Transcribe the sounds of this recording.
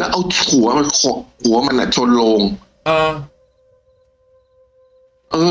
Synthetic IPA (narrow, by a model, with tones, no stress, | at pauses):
lɛː˦˥wʔa˧wt̪ʰu˩˦ɐ˦ma˧nkʰɔ˨˩t̪ʰu˨˩˦ɐ˦ma˧nʔa̰˨˩t͡ɕʰo˧nlo˧ŋ | ʔaː˧˩ | ʔɤː˧˩